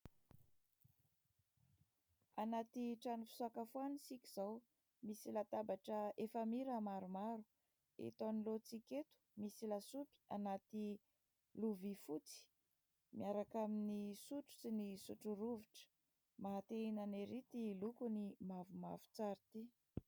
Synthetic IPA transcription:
anat̪iʈ͡ʂanifi̥suakafuanisikʲiz̥aw | misilat̪abaʈ͡ʂəefamiɾamaɾumaɾu̥ | ḛt̪onilot͡siket̪u̥misilasupi̥anat̪i | luvifut͡si̥ | miaɾakaminisuʈ͡ʂu̥sinisuʈ͡ʂuɾuviʈ͡ʂə̥ | maɦat̪einaneɾit̪ilukunimavumavu̥t͡saɾit̪i

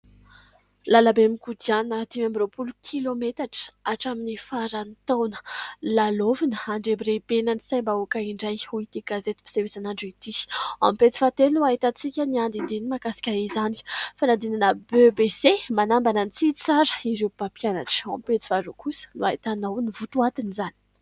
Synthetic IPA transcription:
lalabemikud̪ianət̪imambiɾopulukʲʰilomet̪aʈ͡ʂə̥aʈ͡ʂaminifaɾanit̪awnə̥lalovinəaɳɖ͡ʐebiɾebenənisajmbaukaiɳɖ͡ʐajuit̪iɡ̥azet̪i̥bi̥sewesanaɳɖ͡ʐit̪ia̰mipet͡si̥fat̪elnuaɦit̪at͡sikʲəniand̪ind̪inimakasi̥kʲaizani̥fanad̪inanəbøbesemanambanənt͡sit͡saɾəiɾewpapijana̰ʈ͡ʂãmpet͡si̥faɾukusə̥nuaɦit̪anawnivut̪uat̪inizani̥

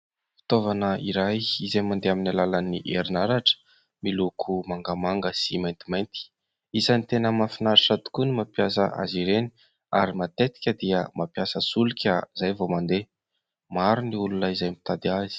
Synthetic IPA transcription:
fi̥t̪ovanəiɾajizajmand̪eaminalalaniʔeɾinaɾaʈ͡ʂə̥ | milukʰumaŋɡamaŋɡəsimajnt̪imajnt̪i̥ | isanit̪enəmafinaɾiʈ͡ʂat̪u̥kunimapjasə̰ʔa̰ziɾeni | a̰ɾimat̪et̪i̥kʲəd̪iəmapjasəsulukʲəzajvomand̪e | maɾuniulunəizajmit̪ad̪iazi̥

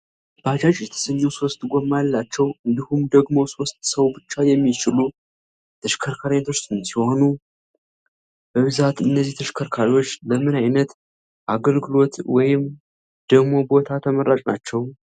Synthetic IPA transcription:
b̥əad͡ʒad͡ʒʼjɛt̪ʰə̥səɲːɛwso̞st̪ʼɡomːalːat͡ʃːɛwɨnd̪ihumd̪əɡmo̞so̞st̪səwbɨt͡ʃːajɛmːit͡ʃɪlu | t̪ʰəʃkʰəɾkʰaɾiat̪ʰo̞t͡ʃːɨmsiho̞nu | b̥əβɨzat̪ɨnːəzːiht̪ʰəʃkʰəɾkʰaɾiwo̞t͡ʃːləmɨnajnət̪ | ʔaɡəlɡɨlo̞t̪wɔjɪm | d̪̥əɡmo̞bo̞t̪ʰat̪ʰəməɾat͡ʃʼna̰t͡ʃːɛw

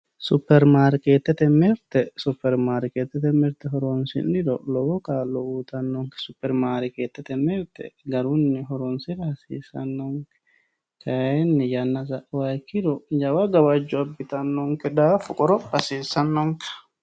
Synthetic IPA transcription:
sʊpːɛɾmaːɾkeːt̪ːɛt̪ɛmːɛɾt̪ɛsʊpːɛɾmaːɾɪkeːt̪ːɛt̪ɛmɛɾt̪ɛɦɔɾɔnsɪ̰nɪdɔlɔwɔkaːlɔuːt̪ɐnːɔŋkɛ̥sʊpːɛɾmaːɾɪkeːt̪ːɛt̪ɛmːɛɾt̪ɛ̰ɡɐɾʊnːɪɦɔɾɔnsɪɾhɐsiːsɐ̰nːɔŋkɛ̥ | kʰɐɛnːɪjɐnːɐsɐʔwakːɪdɔd͡ʒɐwaɡɐwad͡ʒːɔɐbːɪt̪ɐnːɔŋkɛd̪aːfʊkʼɔɾɔbɐsiːsɐnːɔŋkɛ̥

